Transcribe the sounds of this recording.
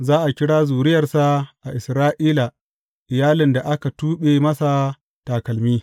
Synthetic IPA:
zaː˦ʔa˨kʲɪ˦ɽaː˦zuː˨ɾɪ˦jɐ˨rsa˨ʔa˨ʔɪ˨sɾaː˦ʔiː˦la˨ | ʔɪ˨jaː˦lɪ˨nda˨ʔa˦ka˨tuː˦ɓe˨mɐ˦sa˨ | taː˨kɐ˨lmiː˦

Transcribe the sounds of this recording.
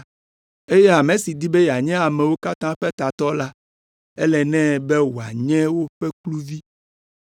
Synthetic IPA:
e˦je˦a˨mẽ˨si˨d̪i˦be˦ja˨ɲɛ̃˦a˨mɛ̃˨wo˦ka˦t̪ã˦ɸe˦t̪a˨t̪ɔ˦la˦ | e˦lɛ˨nɛ̃˦be˦wu˨a̰˨ɲɛ̃˦wo˦ɸe˦klu˦vi˦

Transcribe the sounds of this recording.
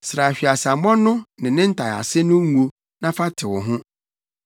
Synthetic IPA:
sɾa˨ɕᶣi˨a˨sa˨mɔ̃˦nː˦ʊ̃˦nɪ̃˨nɪ̃˦n̩˦tʰa˨a̰˨sɪ˦nʊ̃˦ŋũ˦ | nã˦fa˦tʰɪ˨wɔ˨ɦʊ̃˦

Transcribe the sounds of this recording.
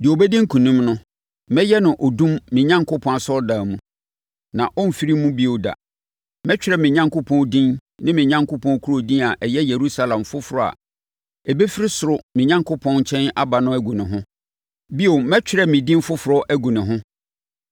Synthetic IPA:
dɪ˨o˨bɛ˦dĩ˦ŋ̩˦kʰũ˨nũ˦mnʊ̃˦ | mɛ̃˦jɛ˦nʊ̃˨ʔɔ˨dũ˦mːɪ̃˨ɲã˦ŋkʰʊ˦pʰɔ̃˨a˨sɔ˦da˨mũ˨ | nã˨ʔɔ˦n˨fi˦ɾi˦mũ˦bi˦o˨da̰˨ | mɛ̃˦t͡ɕᶣɪ˦ɾɛ˨mɪ̃˨ɲã˦ŋko˦pʰɔ̃˦ndĩ˦nnɪ̃˦mɪ̃˨ɲã˦ŋkʊ˦pʰɔ̃˨n˦kʰu˦ɾo˨dĩ˦na˨ʔɛ˨jɛ˦je˨ɾu˦sa˦lã˨mfʊ˦fʊ˨ɾɔ˨a̰˨ | ɛ˨be˦fi˦ɾi˦sʊ˨ɾʊ˨mɪ̃˨ɲã˦ŋkʊ˦pʰɔ̃˦n˦t͡ɕʰɛ̃˦na˦ba˨nʊ̃˦æ˨˦ɡũ˨nɪ̃˨ɦʊ̃˦ | bi˦o˨mɛ˦t͡ɕᶣɪ˦ɾɛ˦mɪ̃˨dĩ˦m˦fʊ˦fʊ˨ɾɔ˦ʔæ˦ɡũ˨nɪ̃˨ɦʊ̃˦

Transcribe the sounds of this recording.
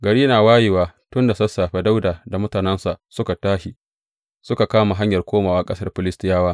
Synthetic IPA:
ɡɐ˨ɽiː˦naː˨waː˦ji˨waː˨tʊ˦nda˨sɐ˦saː˨ɸɛ˦da˦wdaː˨da˨mʊ˦taː˨nɛ˦nsa˨ʔsʊ˦ka˨taː˦ʃi˨ | sʊ˦ka˨kaː˦ma˨ɦa˦ɲjɐ˨rkʷoː˦maː˨waː˦kʼɐ˦sɐ˦rɸɪ˦lɪ˦stɪ˦jaː˦waː˦

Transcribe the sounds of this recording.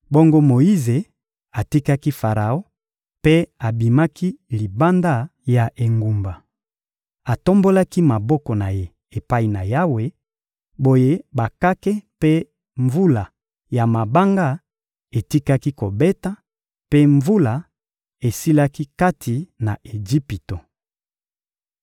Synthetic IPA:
bo˦ŋɡo˦mo˨i˦ze˨ | a˨ti˦ka˦ki˦fa˨ʁa˨o˦ | pe˦a˨bi˨ma˦ki˦li˨ba˦nda˦ja˨ʔe˨ŋɡu˨mba˨ | a˨to˦mbo˦la˦ki˦ma˨bɔ˦kɔ˨na˨je˦ | e˨pa˦i˨na˨ja˦we˦ | bo˦je˦ba˨ka˦ke˦pe˦ | ɱvu˦la˨ | ja˨ma˨ba˦ŋɡa˦ | e˨ti˦ka˦ki˦ko˨be˦ta˦ | pe˦ɱvu˦la˨ | e˨si˦la˦ki˦ka˦tʰi˨na̰˨ʔe˨d͡ʒi˦pi˨to˨

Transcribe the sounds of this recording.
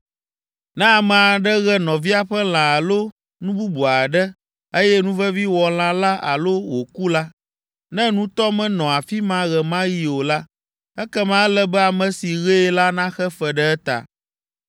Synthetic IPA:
nɛ̃˦a˨mɛ̃˨a˨ɖɛ˦ɣɛ˨nɔ̃˨vi˦a˨ɸɛ˦l̃ã˨a˨lo˦ | nũ˦bu˦bu˨a˨ɖɛ˦ | e˦jɛ˦nũ˦vɛ˦vi˦wɔ˨l̃ã˨la˦ʔa̰˨lo˦wo˨ku˦la˦ | nɛ̃˦nũ˦t̪ɔ˦mɛ̃˨nɔ̃˨a˨fi˦mã˦ɣɛ˨mã˦ji˨˦o˨la˦ | ɛ˦kɛ˦mã˦lɛ˦bɛ˦a˨mɛ̃˨si˨ɣɛ˦la˦nã˦xɛ˦fɛ˨ɖɛ˦ɛ˦t̪a̰˨

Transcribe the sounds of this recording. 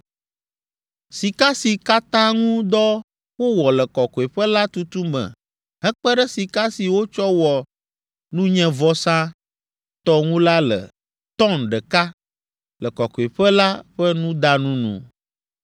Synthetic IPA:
si˨ka˦si˨ka˦t̪ã˦ŋũ˦d̪ɔ˦ | wo˦wɔ˨lɛ˨kɔ˨kɔ˨e˨ɸə˦la˦t̪u˦t̪u˦mɛ̰̃˨ | ɦɛ˦k͡pɛ˦ɖɛ˦si˨ka˦si˨wo˦t͡ʃɔ˦wɔ˨ | nũ˦ɲɛ̃˦vɔ˦sã˦ | t̪ɔ˦ŋũ˦la˦lɛ̰˨ | t̪ɔ˦nɖɛ˨ka˦ | lə˨kɔ˨kɔ˨e˨ɸɛ˦la˦ɸɛ˦nũ˦d̪a˦nũ˦nṵ̃˨

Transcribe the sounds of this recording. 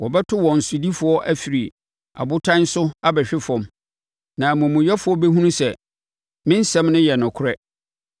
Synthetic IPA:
wɔ˨bɛ˦tʰʊ˦wɔ̃˨n̩˨sʊ˨di˦fʊ˨˦ɔ˦ʔæ˦fi˨ɾi˨ | a̰˨bʊ˦tʰã˦n˦sʊ˦a˦bɛ˨ɕᶣɪ˦fɔ̃˨m | nã˨mʊ̃˨mũ˨jɛ˦fʊ˨˦ɔ˦bɛ˦ɦũ˦nũ˦sɛ˨ | mɪ̃˦n̩˦sɛ̃˦mnʊ̃˦jɛ˨nʊ̃˨kʰʊ˦ɾɛ˦

